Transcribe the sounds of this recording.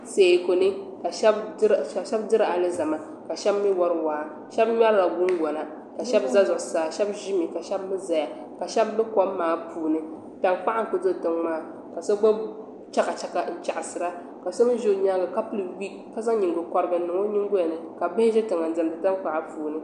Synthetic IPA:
se˨ko˨nɨ˦ka˨ʃbʃɛ˦bdɨ˦ɾa˨lɨ˦za˨ma˨ | ka˨ʃɛ˦bmːi˦wɔ˦ɾwaː˨˦˨ | ʃɛ˦bɲa˦ɾla˨ɡu˦n˦ɡɔ˨na˨ | ka˨ʃɛ˦bza˦zʊ˨ʔsaː˨ʃɛ˦bʒi˦mi˨ka˨ʃɛ˦bmɨ˦za˨ja˨ | ka˨ʃɛ˦bnɨ˦kɔ˦mː˦aː˨pʰuː˨nɨ˦ | ta˨ŋk͡pa˦ʔa˦ŋ˦ko˨zɨ˦˨tɨ˨ŋmaː˦˨ | ka˨sa˦ɡ͡ba˦ | t͡ʃa˦ka˨t͡ʃɛ˦ka˨n̩˦t͡ʃa˨ʔa˨sɨ˨ɾa˦ | ka˨sa˦m˦ʒo˦ɲa˦ɡa˨ka˦pli˨wi˦kka˦za˦ɲi˨ŋɡo˨kɔ˨ɾɨ˦ɡɨ˨˦nɨ˨ŋo˦ɲi˦ŋ˦ɡo˦ja˨nɨ˨ka˨bɪ˦ʒɛ˦tɨ˨ŋa˨n˦zɨ˨m˨dɨ˨ta˦ŋk͡pa˨ʔa˦puː˨nɨ˦

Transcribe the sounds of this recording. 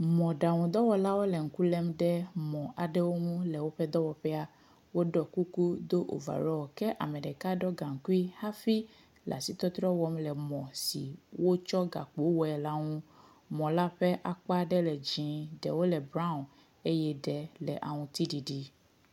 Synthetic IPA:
mɔ̃˨ɖa˨ŋũ˨d̪ɔ˦wɔ˨la˦wo˦lɛ˨ŋ̩˨ku˦lɛ˦mɖɛ˦mɔ̃˨ʔa˨ɖɛ˦wo˦ŋũ˦lɛ˨wo˦ɸɛ˦d̪ɔ˦wɔ˨ɸɛ˦a˦ | wo˦ɖɔ˨ku˦ku˦d̪o˦ʔo̰˨va̰˨ɾɔ˦wɔ˨kɛ˦ʔa̰˨mɛ̃˨ɖɛ˨ka˦ɖɔ˦ɡã˨ŋ̩˨ku˦i˦ha˦fi˦ | lʔa̰˨si˦t̪ɔ˦t̪ɾɔ˦wɔ˦mlɛ˨mɔ̃˨sḭ˨wʔo˦t͡ʃɔ˦ɡa̰˨k͡po˦wɔ˨ɛ˨la˦ŋũ˦ | mɔ̃˨la˦ɸɛ˦ʔa˨k͡pa˦ɖɛ˦lɛ˨d͡ʒĩ˨ɖɛ̰˨wo˦lɛ˨bɾã˦ũ˨ | e˦jɛ˦ɖɛ˨lɛ˨ʔa̰˨ŋũ˨t̪i˦ɖi˨ɖi˦

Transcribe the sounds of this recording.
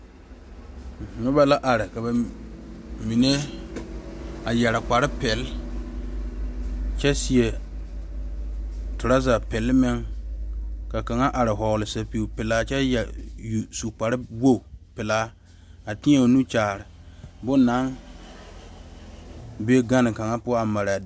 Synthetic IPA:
ɔ˦ba˦la˦ʔa˨ɾɪ˨ka˨ba˨ | mi˨ne˦ | a˨jɛ˨ɾa˨k͡pa˨ɾɪ˦pɛ˨l | t͡ʃɛ˦si˨e˨ | tʊ˨ɾa˦za˨pɛ˨lmɪ˦ŋ | ka˨ka˨ŋa˦ʔa˨ɾɪ˨ɦɔ˨ɣlɪ˨sa˨pi˨u˨pɪ˨laː˦t͡ʃɛ˦jɛ˨ju˨su˨k͡pa˨ɾɪ˦wo˦˨pɪ˨la˦ | a˨ti˦e˦˨o˨nu˦t͡ʃaː˨ɾɪ˨bʊ˦na˨˦ŋ | be˦ɡa˦nɪ˨ka˨ŋa˦pʊ˦a˦a˨ma˨ɾa˨

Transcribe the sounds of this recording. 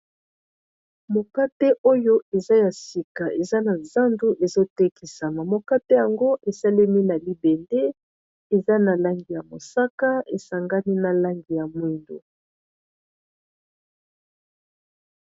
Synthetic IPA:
mo˨ka˦te˦ʔo˦jo˦e˨za˦ja˨si˨ka˨ʔe˨za˦na˨za˦ndu˦ʔe˨zo˦tɛ˦ki˨sa˨ma˨mo˨ka˦te˦ja˨ŋɡo˦ʔe˨sa˦lɛ˦mi˦na˨li˦be˨nde˦ | e˨za˦na˨la˦ŋɡi˨ja˨mo˨sa˦ka˦e˨sa˨ŋɡa˦ni˦na˨la˦ŋɡi˨ja˨mwi˦ndo̰˨

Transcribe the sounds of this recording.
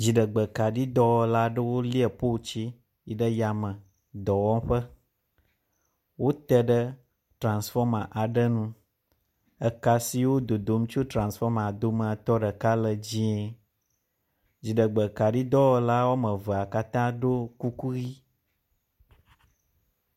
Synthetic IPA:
d͡ʑi˨ɖə˨ɡ͡bə˨ka˨ɖi˦d̪ɔ˦wɔ˨la˦ɖə˦wo˦li˦ə˨po˦˨t͡ɕi˦ | ji˨ɖə˦ja˨mə̃˨ | d̪ɔ˨wɔ̃˦mɸə˦ | wo˦t̪ɛ˦ɖə˦ | tɾã˨nsfɔ˦mã˨ʔa˨ɖə˦nũ˦ | ə˨ka˨si˨wo˦d̪o˨d̪o˦m˦t͡ʃo˦t̪ɾã˨sfɔ˦mã˨d̪o˦mə̃˨a˨t̪ɔ˦ɖə˨ka˦lə˨d͡ʑĩ˦ɛ˨ | d͡ʑi˨ɖə˨ɡ͡bə˨ka˨ɖi˦d̪ɔ˦wɔ˦la˦wo˦mə̃˨və˨a˨ka˦t̪ã˦ɖo˦ku˦ku˦ɣi˦

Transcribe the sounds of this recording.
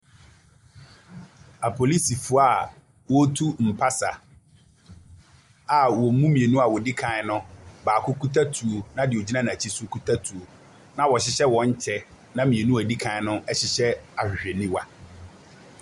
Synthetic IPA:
a˨pʰo˨li˦si˨fʊ˦a˨ | wo˦tʰu˦m̩˨pʰa˦sa̰˨ | a˨wɔ˨˦mũ˦mĩ˨e˨nũ˦a˨wɔ˨di˦kʰã˨˦nʊ̃˦baː˨kʰʊ˦ku˦tʰa˦tʰu˨o˨nã˦dɪ˨o˨d͡ʑi˦nã˦nã˨t͡ɕʰi˦sʊ˦kʰu˦tʰa˦tʰu˨o˨ | nã˦wɔ˨ɕɪ˦ɕɛ˦wɔ̃˨ɲ˦t͡ɕʰɛ˦ | nã˦mĩ˨e˨nũ˦æ˨di˦kʰã˨˦nʊ̃˦ɛ˦ɕɪ˨ɕɛ˦a˨e˨nĩ˦wa˦

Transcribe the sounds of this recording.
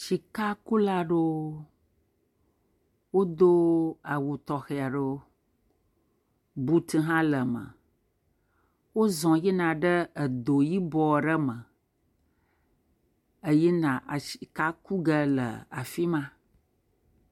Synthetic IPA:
ʃi˨ka˦ku˦la˦ɖo˦ | wo˦d̪o˦a˨wu˨t̪ɔ˨xe˨a˨ɖo˦ | bu˦t̪i˦ɦã˦lə˨mə̰˨ | wo˦zɔ̃˨ji˦nã˨ɖə˦ə˨d̪o˨ji˦bɔ˨˦˨ɖə˦mə˨ | ə˦ji˦nã˨ʔa˨ʃi̥˨ka˦ku˦ɡə˦lə̰˨a̰˨fi˦mã˦

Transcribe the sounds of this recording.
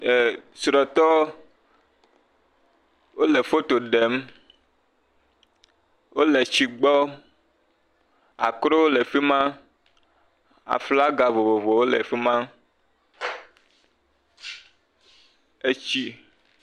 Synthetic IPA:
sɾɔ˨t̪ɔ˦ | wo˦le˨fo˦t̪o˨ɖe˨˦m | wʔo˦le˨t͡ɕi˨ɡ͡bɔ˦ | a̰˨kɾo˦o˦le˨fi˦mã˦ | a̰˨fla˦ɡa˨vo˨vo˨vo˨wo˦lḛ˨fi˦mã˦ | e˦t͡ɕi˦

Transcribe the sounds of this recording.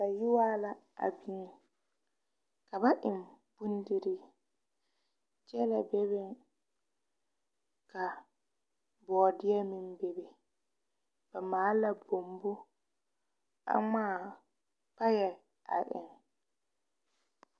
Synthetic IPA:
ka˨ji˦waː˦la˨a̰˨bi˦n | ka˨ba˦ʔi˨mb̥u˦ndi˨ɾi˦ | d͡ʒɛ˦lɛ˨bɛ˦bɛ˦n | ka˨ | bɔː˨di˦a˦mi˨nbɛ˨bɛ˨ | b̥a˨maː˨˦la˨bo˨mbu˦ | a̰˦ma˦ | pa˦ja˨ | a̰˨ɗɛ̰˨n

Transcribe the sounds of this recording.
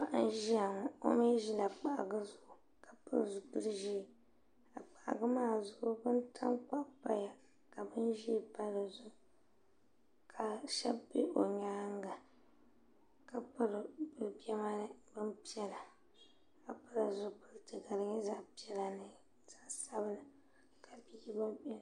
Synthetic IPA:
a˦ʔn˦ʒi˦a˨ŋʊ˨o̰˦me˦ʒi˦la˨k͡pa˨ʔa̰˨ɡɨ˦zʊ˨ʔʊ˨ | ka˨pɨ̰˦ɾzʊ˨pɨ˦ɾʒi˦˨ | a˨k͡pa˨ʔa̰˨ɡɨ˦maː˦˨zʊ˦ʔʊ˦bɨ˦ntʰa˦ŋk͡pa˦pa˦ja˨ | ka˨bɨ˦nʒi˦pa˦lɨ˨zʊ˦˨ | kʰa˨ʃɛ˦bbe˦ʔo˨ɲaː˦ŋ˦ɡa˨ | ka˨pɨ˦ɾɨ˨bɨ˦˨bi˦ɛ˦ma˦nɨ˦bɨ˦mpi˦ɛ˦la˨ | a˨pɨ˦lɨ˨zʊ˦pɨ˦ltɨ˨ɡa˨ɾɨ˨ɲɛ˦za˦ʔpi˦ɛ˦la˨nɨ˨ | za˦ʔsa˦bɨ˦la˨ | ka˨bi˦ba˦

